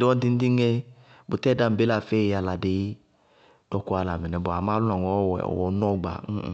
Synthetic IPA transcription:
dɪ˨˦ɔ˦t̪i˦n̩˦t̪i˦ŋɛ˦ | bʊ˨t̪ɛ˦da˨m̩˨be˦la˦˨fe˦˨a˨la˨de˨˦ | d̥ɔ˦ku˦a˨la˨mɛ˨nɛ˨bʊ˨a˨ma˦lʊ˦na˨ŋɔ˨˦wɛ̰˨ɔ̰˨wɔ˨˦nɔ˦˨ɡ͡ba̰˨˦˨

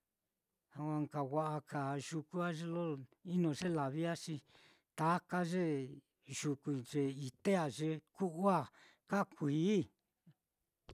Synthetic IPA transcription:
a˧kʷa˧ŋka˨wa˧ʔa˧ka˨ʒu˧ku˦a˦ʐe˦lo˦i˦nõ˨ʐe˦la˨βi˦a˦ʂi˧ | t̪a˨˦ka˦ʐe˦ | ʒ̥u˧ku˧ʐe˧i˧t̪e˦a˧ʐe˧ku˦ʔu˦a˦˨ | ka˦kʷi˧˨˦

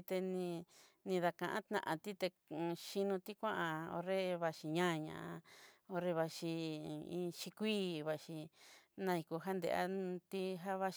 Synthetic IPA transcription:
t̪e˧nĩ˧nĩ˧ða˧kã˧ʔã̰˦t̪nã̰˧ʔã̰˧t̪i˦t̪e˧ | ʃi˧nũ˧t̪i˦kʷã˦ʔã˧o̰˧ɾe˦˧βa˧ʃi˧ɲã˦˧ɲã̰˨ʔa˧o˧ɾe˧βa˧ʃi˧ĩ˧ʃi˧kʷiː˦βa˧ʃi˧nã˧i˧ku˧ɦa˦nd̪ḛ˧ʔa̰˦t̪i˦ɦa˦βa˧ʃ

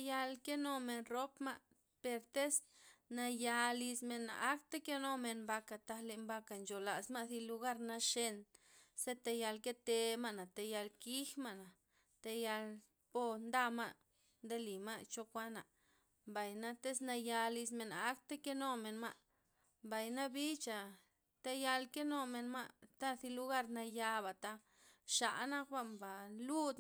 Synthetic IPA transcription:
ja˧lke˦no˧me˧nɾo˦pma̰˦ʔ | pe˧ɾt̪e˦sna˧ja˧li˧sme˧na̰˨ʔa˦kt̪e˦ke˦no˦me˧nmba˧ka˨t̪a˧le˧mba˧ka˨nt͡ʃo˨la˨sma˦˧zi˧lu˧ɡa˦ɾna˧ʃe˧nse˦t̪e˧ja˧lke˦t̪e˧ma˦ʔna˨t̪e˧ja˧lki˦xma˦ʔna˨ | t̪e˧ja˧l | po˧nd̪a˦ma˦˧ʔ | nd̪e˦li˨ma˦ʔt͡ʃo˧kʷa˦na˨ | mba˨jna˦t̪e˦sna˧ja˧li˧sme˨na˧˦kt̪e˦ke˦no˦me˧nma˦ʔ | mba˨jna˦bi˦t͡ʃa˨ | t̪e˧ja˧lke˦no˧me˧nma˦ʔt̪a˦θi˧lu˧ɡa˦ɾna˧ja˧ba˨t̪a˦ | ʃa̰˨ʔna˦kba˧mba˨lu˦d̪

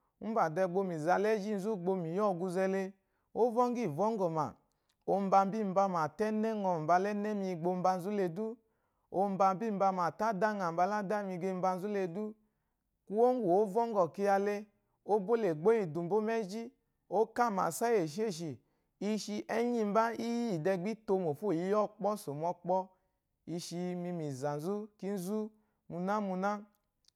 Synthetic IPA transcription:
ba˨dɛ˧˨ɡ͡bo˧mi˨za˧lɛ˦d͡ʒi˦n̩˨˦zu˦˨ɡ͡bo˧mi˨jɔ˦˨ɡu˧zɛ˧le˧ | o˦vɔ˦ŋ˦ɡi˦˨vɔ˦ŋ˦ɡɔ˨ma̰˨ | o˧m̩˦ba˧m˦bi˦˨m̩˨ba˧ma˨tɛ˦nɛ˦ŋɔ˧m̩˨ba˧lɛ˦nɛ˦mi˧ɡ͡bo˧m̩˦ba˧n̩˦zu˦le˧du˦ | o˧m̩˦ba˧m˦bi˦m̩˦ba˧ma˨ta˦da˦ŋa˨m̩˨ba˧la˦da˦mi˧˨ɡe˧m̩˦ba˧n̩˧zu˦le˧du˦ | ku˧wo˦n˦wo˨o˦vɔ˦ŋ˦ɡɔ˨ki˧ja˧le˧ | o˦bo˦le˨ɡ͡bo˦i˧du˨m̩˨bo˦mɛ˦d͡ʒi˦ | o˦ka˦˨ma̰˨sa˦je˨ʃ̬i˦e˦˨ʃ̬i˨ | i˧ʃi˧ʔɛ˦ɲi˧m̩˦ba˦i˦ji˦i˨dɛ˧ɡ͡bi˦to˧mo˨fo˦˨ji˨˦jɔ˦k͡pɔ˦so˨mɔ˧k͡pɔ˧ | i˧ʃi˧mi˧mi˨za˨n̩˨zu˦ki˦n̩˦zu˦ | mu˧na˦mu˧na˦

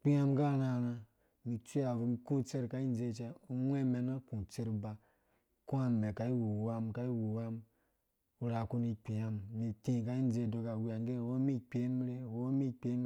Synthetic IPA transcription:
k͡pi˦a˦mɡa˦˨na˨na˧ | mi˨t͡ʃʷi˦a˨vu˧mi˧ku˦t͡se˦ɾka˨˦i˦n˦d͡ze˧˨t͡ʃe˧u˦wʷe˦me˧na˦kũ˨t͡se˦ɾba˧ | ku˦a˦me˨ka˨i˦wu˨wa˧mka˦i˦wu˨wa˦m | u˧ɾa˨ku˦ni˧k͡pi˨ja˦mmi˨ti˦˨ka˧˦i˦n˦d͡ze˦˨do˨˧ka˨wi˧a˨ŋ˦e˦˨wo˦mi˦k͡pe˨˦m˦ɾe˦˨wo˦mi˦k͡pe˦m˦

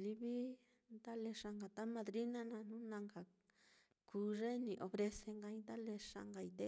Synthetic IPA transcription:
li˦βi˦ | nd̪a˦le˧ʂa˧ŋɡa˨t̪a˦mã˧d̪ɾi˦nã˦nã˧nũ˦nã˧ŋɡa˨ | kuː˧˦ʐe˦nĩ˧ʔo˨βɾe˧se˧ŋɡa˧ĩ˧nd̪a˦le˧ʂa̰˧ŋɡa˨i˧d̪e˦

